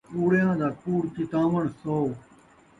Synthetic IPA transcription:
uːɽjãːd̪aːkuːɽkɪt̪aːʋəɳsoː

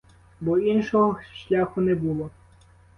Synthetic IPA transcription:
bɔinʃɔɦɔʃlʲaxʊnɛbulˠɔ

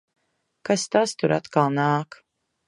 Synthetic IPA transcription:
kast̪ast̪uɾa̰t̪kalˠnaːk

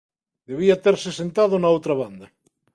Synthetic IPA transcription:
d̪eβ̞iɐt̪eɾsesent̪aðonaowt̪ɾaβand̪ɐ

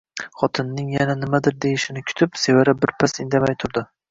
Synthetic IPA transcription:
χɒt̪ʰɪnːɪŋjananɪmad̪ɪɾd̪ejɪʃɪnɪkʲʰʊ̥t̪ʰɪpse̞vaɾabɪɾpʰasɪnd̪amajt̪ʰʊɾd̪ɪ

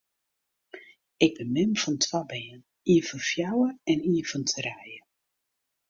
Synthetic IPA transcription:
ɪɡ̚bəmɪmfɔntʰwabɪːən | iəfənfjawəɛniəfəntʰəɾɛjə

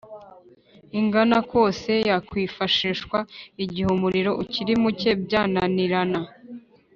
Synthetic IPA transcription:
iŋɡanako̞ːse̞jakwiːfaʃiːʃkwaiɟihumuɾiɾo̞ʔuciɾimuce̞bɟaːnaniɾana

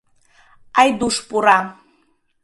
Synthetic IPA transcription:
ajd̪uʂpʼuɾa

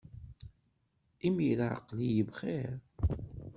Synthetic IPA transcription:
imilʕə̰qːlijəvχɛɾ

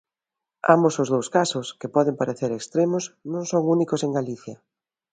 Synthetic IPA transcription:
a̰mbosozðowskasʊskepɔðempaɾeθeɾekst̪ɾemosnõŋsoŋunikoseŋɡaliθjɐ

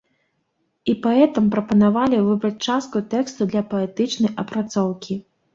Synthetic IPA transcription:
ipaɛt̪ɐmpɾɐpɐnavalʲivɨbɾɐt͡sʲt͡ʂast̪̚kut̪ɛkst̪ud̪lʲɐpɐɛt̪ɨt͡ʂnɐjʔɐpɾat̪sɔwkʲi

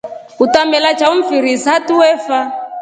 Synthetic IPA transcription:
utambɛlat͡ʃauɱ̩fiɾisatuwɛfa

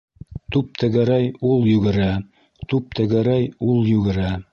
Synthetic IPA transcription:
t̪up̚t̪ɘ̆ɡɘ̆ɾæjulˠjɵ̆ɡɘ̆ɾæ | t̪up̚t̪ɘ̆ɡɘ̆ɾæjulˠjʉɡɘ̆ɾæ

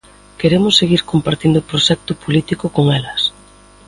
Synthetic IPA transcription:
keɾemʊsːeɣiɾkompaɾt̪ind̪ʊpɾoʃɛk̚t̪ʊpolit̪ikʊkoŋɛlɐs

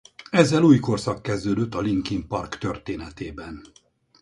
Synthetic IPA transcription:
ɛzːɛluːjko̞rsɒkːɛzd̪øːd̪øt̪ːɒliŋkimpɒrkt̪ørt̪eːnɛt̪eːbɛn

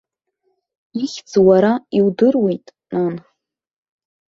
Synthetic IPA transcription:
iχʲd͡zwaɾaiwdɨrwejtʼnan

